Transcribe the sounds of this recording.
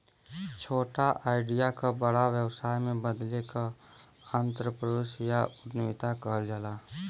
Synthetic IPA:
t͡ʃʰoːʈaʔaːɪɖijakabəɽaʋjəwsaːjmẽbəd̪lekaant̪ɾəpɾəd̪eːʃjaʊd̪net̪akəɦld͡ʒala

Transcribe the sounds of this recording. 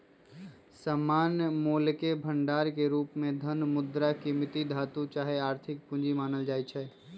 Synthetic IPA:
saːmaːnjəmoːlkebʱə̃ɳɖaːɾkeɾuːpmẽd̪ʱənmʊd̪ɾakimɪt̪id̪ʱaːt̪ũt͡ʃaːɦeaːɾt̪ʰɪk̚pʊ̃nd͡ʒimaːnəld͡ʒaːit͡ʃʰɛː

